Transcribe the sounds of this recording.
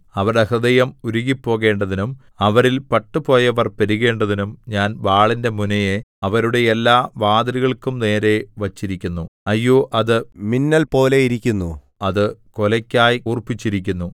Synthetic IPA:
ɐʋɐrɾɐhrɨd̪ɐjɐmuɾuɣipːo̞ːɣe̞ːɳɖɐðinum | ɐʋɐɾilpɐʈːupo̞ːjɐʋɐrpɐɾuɣe̞ːɳɖɐðinumɲaːnʋaːɭinde̞munɐjeɐʋɐɾuɽe̞ːlːaːʋaːd̪ɐɾiɣɐɭkumne̞ːɾe̞ʋɐt͡ɕːiɾikʲːunːuɐjːoːʔɐðɨminːɐlpo̞ːle̞iɾikʲːunːṵ | ɐðɨkolɐkʲːaːjuːrpːit͡ɕːiɾikʲːunːu

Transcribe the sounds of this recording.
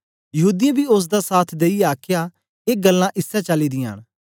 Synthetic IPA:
jɐɦuːd̪ɪjãbiʊs̬d̪asaːt̪ʰd̪eiaːkʰja | eːɡɐlːãʔɪsːɛt͡ʃɐlid̪ɪjã̰ːñ

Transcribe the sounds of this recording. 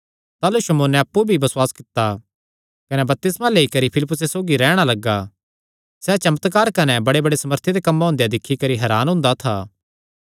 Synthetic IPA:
t̪aːluʃɐmoːnɛɐpːubʱibɐswaːskɪt̪ːa | kɐnɛbɐp̚t̪ɪsmãleːikɐɾipʰɪlɪpːʊsesoːɡiɾɛːɽ̃alɐɡːa | sɛt͡ʃɐmət̪kaːɾkɐnɛbɐɽebɐɽesɐməɾt̪ʰid̪ekɐmːaɦʊ̃ːnd̪ejd̪ɪkʰːikɐɾiɦɛːɾaːnɦʊ̃nd̪at̪ʰaː

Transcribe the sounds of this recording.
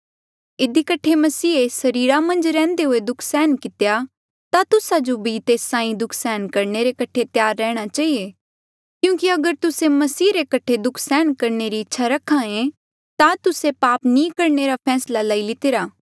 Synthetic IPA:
ɪd̪ikɐʈʰemɐsiːesɐɾiːɾamɐ̃nd͡ʒɾɛ̃ːnd̪eɦoed̪ʊkʰsɛːnkɪt̪eja | t̪at̪ʊsad͡ʒobʱit̪eːsãːĩd̪ʊkʰsɛːnkɐɾneɾekɐʈʰet̪jaːɾːɛːɽ̃at͡ʃaːie | kjũːkiɐɡəɾt̪ʊsemɐsiːɾekɐʈʰed̪ʊkʰsɛːnkɐɾneɾiɪtːʃʰaɾɐkʰːãẽ | t̪at̪ʊsepaːpnĩkɐɾneɾapʰɛːslalaːilɪt̪eɾaː

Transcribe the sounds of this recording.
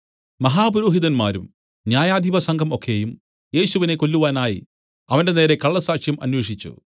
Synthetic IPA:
mɐɦaːbɐɾoːɦiðɐnmaːɾum | njaːjaːd̪ʱibɐsɐŋɡʱɐmo̞kʰːe̞jum | je̞ːɕuʋine̞ko̞lːuʋaːnaːjḭ | ɐʋɐnde̞neːɾekɐɭːɐsaːkʂjɐmʔɐ̰nwe̞ːʂit͡ɕːṵ

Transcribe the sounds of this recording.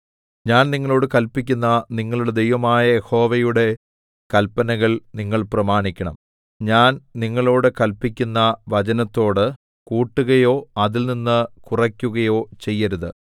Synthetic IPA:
ɲaːnniŋːɐɭo̞ːɽɨkɐlpːikʲːunːɐniŋːɐɭuɽed̪e̞jʋɐmaːjɐjeho̞ːʋɐjuɽe̞ | kɐlpɐnɐɣɐɭniŋːɐɭprɐmaːɳikʲːɐɳɐ̰m | ɲaːnniŋːɐɭo̞ːɽɨkɐlpːikʲːunːɐʋɐd͡ʑɐnɐt̪ːo̞ːɽɨ | kuːʈːuɣɐjo̞ːɐðilninːɨkurɐkʲːuɣɐjo̞ːt͡ɕe̞jːɐɾuðɨ

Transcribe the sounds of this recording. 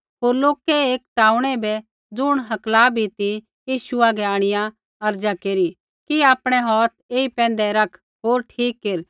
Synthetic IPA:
ɦoːɾloːkɛeːkʈaːũɽ̃ɛbɛ | d͡zʊɽ̃ɦɐklaːbʱit̪i | jiːʃʊaɡɛaːɽ̃ɪjã | ɐɾd͡ʒakeːɾi | kiaːpɽ̃ɛɦɔːt̪̚eːipɛ̃ːn̆d̪ɛɾɐkʰ | ɦoːɾʈʰiːkːeːɾ

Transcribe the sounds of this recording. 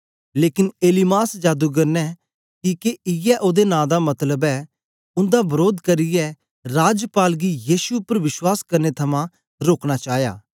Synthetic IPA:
leːkɪneːlɪmaːsd͡ʒaːd̪uɡɐɾnɛ | kiːkeɪjɛʔoːd̪enãːd̪amɐt̪ləbɛː | ʊ̃nd̪abɐɾoːd̪kɐɾɪjɛ | ɾaːd͡ʒəpaːlɡijiːsuʊpːəɾʋɪʃwaːskɐɾnet̪ʰɐmã | ɾoːkñat͡ʃaːja̰ː

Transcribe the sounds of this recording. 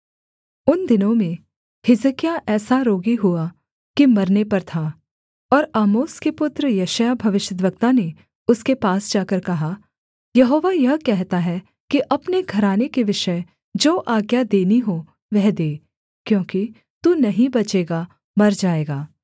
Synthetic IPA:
ʊnd̪ɪnõmẽ | hɪzəkijaʔɛːsaɾoːɡiɦua | kimɐɾnepɐɾt̪ʰa | ɔːɾaːmoːskepʊt̪ɾəjɐːʃəjabʱɐʋɪʃəd̪ʋək̚t̪ane | ʊskepaːsd͡ʒaːkɐɾkɐɦa | jɐɦoːʋajɐɦkɛɦt̪aɦɛ | kiʔɐpneɡʱɐɾaːnekeʋɪʃə | d͡ʒoːʔaːɡjad̪eːniɦo | ʋɛɦd̪eː | kjõːki | t̪unɐɦĩbɐt͡ʃeːɡa | mɐɾd͡ʒaːeːɡaː

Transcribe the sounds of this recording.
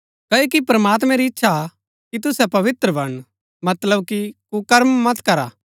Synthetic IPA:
kɐːokipɐɾɐmaːt̪mɛ̃ɾiɪtːʃʰa | kit̪̬ʊsɛpɐʋɪt̪ɾəbʱɐɽ̃ | mɐt̪ləbkikukɐɾmːɐt̪kɐɾaː

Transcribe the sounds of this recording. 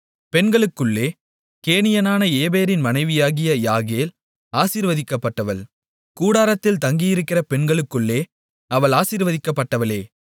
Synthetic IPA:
pɛɳɡɐɭɯkːɯɭːeː | keːnɪjɐnaːnɐeːbeːɾɪnmɐnɐɪʋɪjaːɣɪjɐjaːɣeːl | aːsiːɾʋɐðɪkːɐpːɐʈːɐʋɐɭ | kuːɽaːɾɐt̪ːɪlt̪ɐŋɡɪjɪɾɯkːɪrɐpɛɳɡɐɭɯkːɯɭːeː | ɐʋɐɭaːsiːɾʋɐðɪkːɐpːɐʈːɐʋɐleː

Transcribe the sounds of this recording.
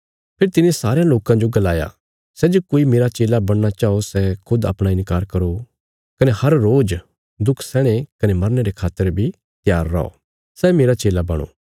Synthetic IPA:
pʰɪɾt̪ɪnẽsaːɾejãloːkãd͡ʒoɡɐlaːja̰ | sɛːd͡ʒoːkoːimeːɾat͡ʃeːlabɐɽ̃nat͡ʃaːosɛkʰʊd̪ɐ̰pɽ̃aɪ̃nkaːɾkɐɾo | kɐnehɐɾːoːd͡ʒ | d̪ʊkʰsɛːɽ̃ekɐnemɐɾneɾekʰaːt̪əɾbʱi | t̪jaːɾːɐ̰o̰ː | sɛːmeːɾat͡ʃeːlabɐɽ̃o̰ː

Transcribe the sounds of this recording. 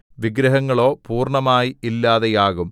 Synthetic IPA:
ʋiɡɾɐɦɐŋːɐɭo̞ːpuːrɳɐmaːjiilːaːðejaːɣum

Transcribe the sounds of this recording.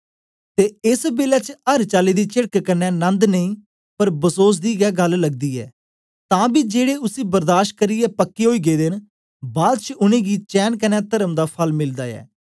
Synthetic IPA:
t̪eːɪsbeːlɛːt͡ʃəɾt͡ʃaːliːd̪iːt͡ʃɪɽkkənːɛ̃ːnə̃nd̪nəĩː | pəɾbəsoːs̬d̪iːɡɛːɡəlːəɡ̚d̪iːɛ̰ː | t̪ãːbiːd͡ʒeːɽeːʊsiːbəɾd̪aːʃʈ̚kəɾiːjɛːpəkːeːɦoːiːɡeːd̪ɪn | baːd̪̚t͡ʃəʊnẽːɡiːt͡ʃɛːnkənɛːt̪əɾəmd̪aːpʰəlmɪld̪aːɛ̰ː

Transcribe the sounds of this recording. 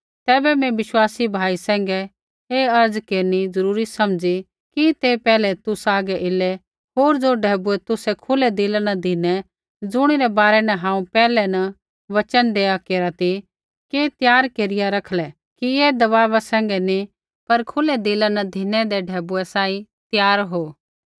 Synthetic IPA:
t̪ɛːbɛmɛ̃ʋɪʃwaːsibʱaːisɛ̃ːŋɡɛ | eɐɾd͡zkeːɾnid͡zɐɾuːɾisɐmd͡zi | kit̪epɛːlɛt̪ʊsaːɡɛʔɪlɛ | ɦoːɾd͡zoɖʱɛːbʊɛt̪ʊsɛkʰʊlɛd̪ɪlanɐd̪ʱɪnɛ | d͡zʊɽ̃iɾɛbaːɾɛnɛɦãːũpɛːlɛnɐ | ʋɐt͡ʃənd̪eːakeːɾat̪ʰi | ket̪jaːɾkeːɾɪjaɾɐkʰlɛ | kieːd̪ɐʋaːʋasɛ̃ːŋɡɛni | pɐɾkʰʊlɛd̪ɪlanɐd̪ʱɪnɛ̃d̪eɖʱɛːbʊɛsaːĩ | t̪jaːɾɦoː

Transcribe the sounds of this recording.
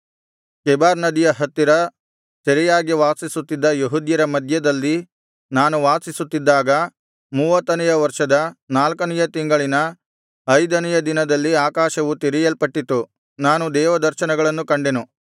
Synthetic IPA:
kɛbaːɾnɐd̪ijɐɦɐt̪ːiɾɐ | sɐɾijaːɡiʋaːsisut̪ːid̪ːɐjuɦud̪jɐɾɐmɐd̪ʱjɐd̪ɐlːi | naːnuʋaːsisut̪ːid̪ːaːɡɐ | muːʋɐt̪ːɐnɛjɐʋɐɾʂɐd̪ɐnaːlkɐnɛjɐt̪iŋɡɐɭinɐ | ɐjd̪ɐnɛjɐd̪inɐd̪ɐlːiaːkaːʃɐʋut̪iɾijɐlpɐʈːit̪ːu | naːnud̪ɛːʋɐd̪ɐɾʃɐnɐɡɐɭɐnːukɐɳɖenu

